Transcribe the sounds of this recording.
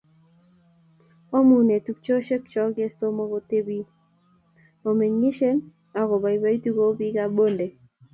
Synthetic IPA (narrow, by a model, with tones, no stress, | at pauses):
o˦mu˨ne˨tu˨k̚t͡ʃo˦ʃe˦kt͡ʃɔ˦ɡe˦so˦mɔ˦ko˦te˦bi˦ | o˨me˨ɲɲi˦ʃe˦n | a˨kɔ˨ba˨i˨ba˦i˦tu˦ko˦bi˦ka˦bo˦nde˨